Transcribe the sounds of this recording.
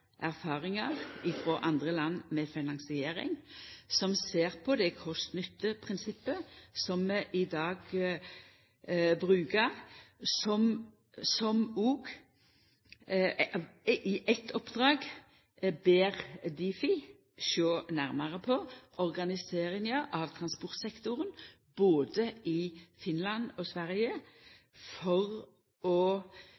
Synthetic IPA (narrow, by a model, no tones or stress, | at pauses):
ʔæʁfɑːʁɪŋɑʁɪfʁoːʔɑnd̪ʁəlɑnːmɛfɪnɑŋsɪeːɾɪ̰ŋsɔmseːʁpʰɔd̪ɛkʰɔst̪nʏt̪ːəpʰʁɪnsɪpːəsɔmmɛʔɪd̪ɑːɡ | bʁʉːkəʁsɔm | sɔmuːɡ | ɪʔɛt̪ʰːɔpːd̪̥ʁɑːɡ | beːʁd̪ifɪ | ʃøːnæʁməʁəpʰɔʔɔʁɡɑnɪseːʁɪŋəʔɑʋt̪ʰʁɑnspɔʁt̪sɛkt̪ʊʁən | b̥oːd̪əʔɪfɪnlɑnɔsʋæʁjə | fɔʁ | ɔ